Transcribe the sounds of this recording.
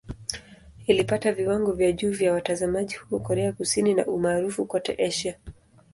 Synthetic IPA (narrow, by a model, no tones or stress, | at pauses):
ilipataviwaŋɡɔvjaʄuːvjawatazamaʄihuɔkɔɾɛakusinina̰ʔumaːɾufukɔtɛ̰ʔɛʃa